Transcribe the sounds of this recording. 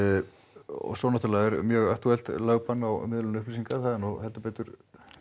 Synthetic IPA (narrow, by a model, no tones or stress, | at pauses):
ɔ̰sɔːnat̪ʰɪlaðɛɾmjœɣakt̪yɛl̥t̪laːɣpanawmɪðlʏnʏhplisiŋkaθaðɪnɔɣhɛlt̪apɛːt̪ʏɾ̥